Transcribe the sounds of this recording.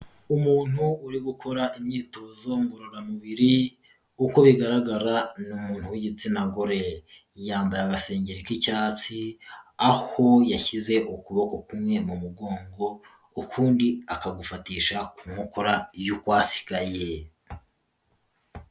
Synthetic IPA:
umuːn̥huuɾiɡukʰo̞ɾaimɲiːto̞ːzo̞ŋɡoɾoɾamuβiɾi | uko̞βiɡaɾaɡaɾanumuːn̥huwiɟit͡sinaɡoɾe̞ | jaːmbajaɡase̞ːɲɟeɾikicaːt͡siaho̞jaçize̞ukuβo̞ko̞kumŋe̞mumuɡo̞ːŋɡo̞ | ukʰuːndiakaɡufatiːʃakumŋukʰoɾajukwaːsi̥ɡaje

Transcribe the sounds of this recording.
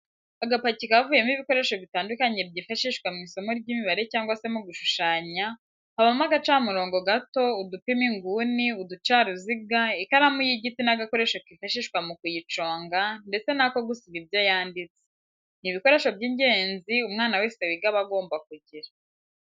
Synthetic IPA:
aɡapacikavuːje̞miβiko̞ɾe̞ʃo̞βitaːndukaɲe̞b̚ɟiːfaʃiʃkwamŋiːso̞moɾɟiːmiβaɾe̞caːŋɡwase̞muɡuʃuʃaːɲa | haβamaɡat͡ʃaːmuɾo̞ːŋɡo̞ɡato̞udupimiŋɡuːniudut͡ʃaːɾuziɡaikaɾamujiɟitinaɡako̞ɾe̞ʃokifaʃiʃkwamukujit͡ʃo̞ːŋɡande̞t͡se̞nako̞ɡusiβibjo̞jaːndit͡se̥ | niβiko̞ɾe̞ːʃo̞bɟiːɲɟe̞ːnziumŋaːnawe̞ːse̞wiɡaβaɡo̞ːmbak̚uɟiɾa

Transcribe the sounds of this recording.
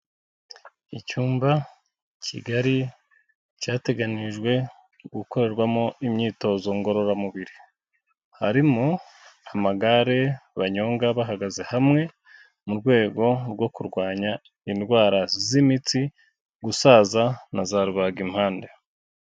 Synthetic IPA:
icuːmba | cʰḭɡaɾi | caːte̞ɡaniʒɡwe̞ | ɡuko̞ɾe̞ɾɡwamo̞imɲiːto̞zo̞ŋɡo̞ɾo̞ɾamuβiɾi | haɾimo | amaɡaɾe̞βaɲo̞ːŋɡaβaɦaɡaze̞hamŋe̞ | muɾɡwe̞ːɡo̞ɾɡwo̞kuɾɡwaːɲa | inɡwaːɾazimit͡si | ɡusaːzanazaɾuβaɡimhaːnde

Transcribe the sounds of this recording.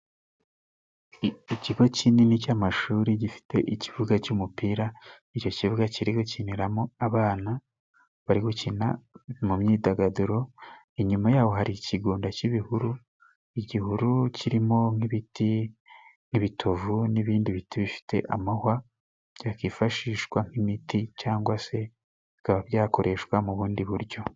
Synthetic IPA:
iciɡo̞cininicamaʃuːɾiɟifi̥tʰe̞̰ʔicivuɡat͡ʃumupiːɾa | ico̞civuɡaciɾiɡuciniɾamoaβaːna | βaɾiɡucina̰mumɲiːdaɡaduɾo̞ | iɲumajaːwo̞ɦaɾiciɡuːndaciβihuɾu | iɟihuɾuciɾimo̞ŋiβiti | niβitʰovuniβiːndiβitʰiβifi̥tʰe̞̰ʔamahwa | ɟakiːfaʃiːʃkwaŋ̥imiticaːŋɡwase̞ | βikaβaβjaːko̞ɾʔe̞ʃkwamuβuːndiβuɾɟo̞

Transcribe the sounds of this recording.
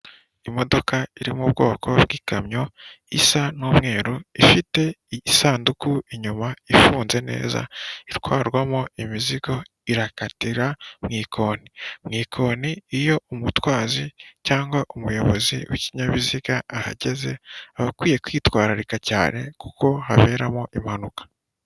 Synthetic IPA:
imo̞do̞kaiɾimubɡo̞̰ːkʰo̞βɡiːkamɲo̞ | isanoːmŋe̞ːɾoifite̞iisaːndukuiɲumaifuːnze̞ne̞̰ːza̰iɾkwaːɾɡwamoimiziɡo̞ | iɾakatiɾamŋiːkʰo̞ːnimŋiːkʰo̞ːniːjo̞umutwaːzicaːŋɡwaʔumujo̞βo̞zḭwiciɲaβiziɡaːha̰ɟe̞ze̞aβakwiːje̞kwiːtwaːɾaɾikaca̰ːne̞̰ku̥ko̞ɦa̰βe̞ːɾamoʔimhanukḁ

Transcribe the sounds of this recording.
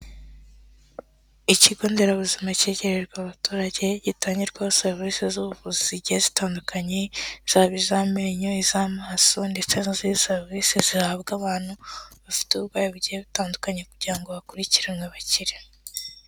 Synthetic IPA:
iciɡoːndeɾaβuzimace̞ɟe̞ɾeɾɡwaβatuːɾaɟe̞ɟitaːɲɟiɾɡwahoseɾvisezuβuvuziziɟihezitaːndukʰaɲe̞z̥aβizameɲoizamaːso̞nde̞t͡seniziseɾvisezihaβɡaβaːn̥huβafi̥teuβɡwaːjeβuɟiheβitaːndukaɲe̞kuɾɟiɾaŋɡo̞βakuɾiciɾemweβaciɾe

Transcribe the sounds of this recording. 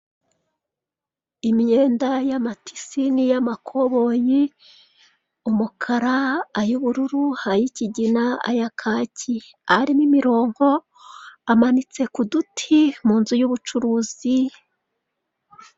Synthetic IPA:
imɲe̞ːndajamatʰi̥sinijamakʰoβo̞ji | umukʰaɾaːjuβuɾuɾuhajiciɟinaa̰jakʰaːci | aɾimimiɾo̞ːŋɡo̞ | amanit͡se̞kudutʰimuːnzujuβut͡ʃuɾuːzi

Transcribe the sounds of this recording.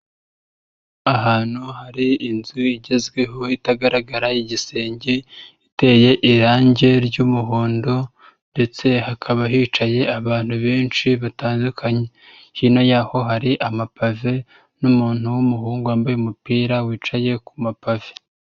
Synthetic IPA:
aɦaːn̥huhaɾiːnzuiɟe̞zɡwe̞ɦo̞itaɡaɾaɡaɾajiɟise̞ːɲɟeite̞je̞ʔiɾaːɲɟe̞ɾɟumuɦuːndo̞ | nde̞t͡se̞hakʰaβaɦiːt͡ʃaje̞aβaːn̥huβeːnt͡ʃiβataːndukʰaɲe̞ | hino̞jaːho̞ɦaɾiʔamapave̞ | numuːn̥huwumuhuːŋɡuaːmbajemupiːɾawiːt͡ʃaje̞kumapave̥

